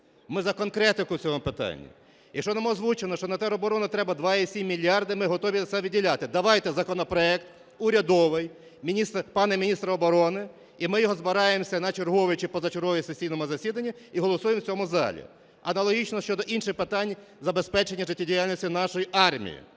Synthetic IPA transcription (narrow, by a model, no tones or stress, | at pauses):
mɪzɐkɔnkɾɛt̪ɪkʊt͡sʲɔɦɔmʊpɪt̪ɑ̰nʲːḭ | jɐkʃt͡ʃɔnɐmɔzʋut͡ʃenɔʃt͡ʃɔnɐt̪ɛɾɔbɔɾɔnɐt̪ɾɛbɐd̪ʋɑisʲimʲːilʲːjɑrd̪ɪmɪɦɔt̪ɔʋʲiɐt̪sɛʋʲidʲːilʲat̪ɪd̪ɐʋɑjt̪ɛzɐkɔnɔpɾɔɛkt̪ | uɾʲɐd̪ɔʋɪj | mʲiist̪pɑnɛmʲinʲist̪ɾɐɔbɔɾɔnɪ | imɪjɔɦɔzbɐɾɑjemsʲɐnɐt͡ʃerɦɔʋɪt͡ʃɪpɔzɐt͡ʃerɦɔʋisesʲijnɔmʊzɐsʲid̪ɐnʲːɐiɦɔlˠɔsujemt͡sʲɔmʊzɑ̰lʲḭ | ɐnɐlˠɔɦʲit͡ʃnɔʃt͡ʃɔd̪ɔʔinʃɪxpɪt̪ɑnʲ | zɐbespɛt͡ʃenʲːɐʒɪtʲːidʲijalʲnʲisʲtʲinɑʃɔjiʔɑrmʲḭjḭ